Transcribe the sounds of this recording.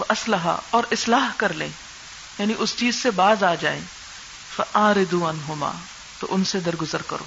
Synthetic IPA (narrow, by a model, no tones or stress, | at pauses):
ʋɐʔɐslɐɦa̰ɔːɾɪslaːɦkɐɾlḛ̃ː | jaːniʔʊst͡ʃiːzsebaːzaːd͡ʒa̰ːḛ̃ː | fɐʔaːɾɪd̪uɐnɦʊma̰ː | t̪o̰ʔʊnsed̪ɐɾɡʊzəɾkɐ̰ɾo̰ː